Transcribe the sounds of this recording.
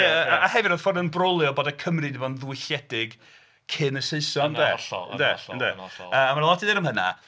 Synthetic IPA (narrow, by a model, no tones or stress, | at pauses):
əaahɛvɪɾɔ̥fɔrdənbrɔlˠjɔboːdakʰəmrɨdivɔnðwɪɬjɛdɪɡ | kʰɪnəseɨsɔndɛ̰ədɛ̰ndeəamarlˠɔtʰiðeɾəmhəna̰